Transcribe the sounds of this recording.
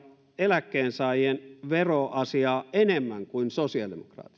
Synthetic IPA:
elækːeːnsɑˑijenʋeroʔɑsiɑːenemːæŋkuinsosiɑdemokrɑ̰ːt̪i̥

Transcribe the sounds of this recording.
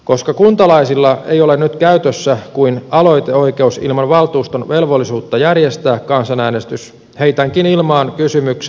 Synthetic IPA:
ko̞skɑkunt̪ɑlɑisilːɑḛjo̞le̞nyt̪kæyt̪øsːækuinɑlo̞jt̪eo̞ike̞usḭlmɑnʋɑlt̪uːst̪onʋe̞lʋo̞lːisuːt̪ːɑjærjest̪æːkkɑnsɑnæːnest̪ys | he̞it̪æŋkinilmɑːnkysymyks

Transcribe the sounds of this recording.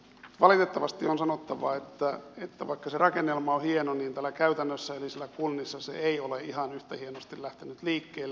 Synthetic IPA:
mt̪ʋɑlit̪et̪ːɑʋɑst̪ionsɑnot̪ːɑʋɑ̰et̪ːæet̪ːæʋɑikːɑserɑkenːelmɑohienoniːnt̪ælːækæyt̪ænːøsːæelisilːækunːisːɑsḛeioleihɑnyht̪æhienost̪illæht̪enyt̪liːkːeːlː

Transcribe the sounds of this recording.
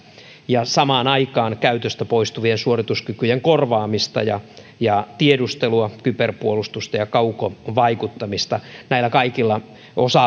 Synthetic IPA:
jɑsɑmɑːnɑikɑːnkæyt̪øst̪æpoist̪uʋiensuorit̪uskykyjeŋkorʋɑːmist̪ɑ̰jɑ | jɑt̪iedust̪eluɑkyperpuolust̪ust̪ɑjɑkɑuko̰ʋɑikut̪ːɑmist̪ɑnæilːˑækɑikilːɑ | osɑ

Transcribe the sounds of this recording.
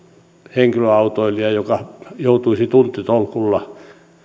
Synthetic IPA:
heŋkiløɑut̪oiliɑjokɑjout̪uisit̪unt̪ːit̪olkulːɑ

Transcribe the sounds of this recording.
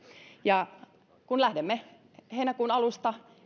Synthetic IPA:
jɑ | kunlæhdemːe | heinækuːnɑlust̪ɑ

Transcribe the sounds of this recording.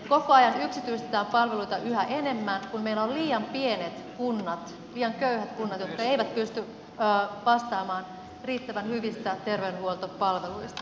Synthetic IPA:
ko̞koɑjɑnyksit̪yist̪et̪æːmpɑlʋe̞luit̪ɑʔyhæʔe̞ne̞mːænkummeilːæolliːɑmpie̞net̪kunːɑt̪ | liːɑŋkøyhæt̪kunːɑt̪jo̞t̪kɑe̞jʋæt̪pyst̪yː | ʋɑst̪ɑːmɑːn | riːt̪ːæʋænhyʋist̪æt̪e̞rʋenhuolt̪opɑlʋe̞luist̪ɑ̥

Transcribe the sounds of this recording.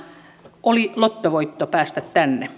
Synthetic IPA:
ʔolilot̪ːoʋoit̪ːopæːst̪æt̪t̪ænːe

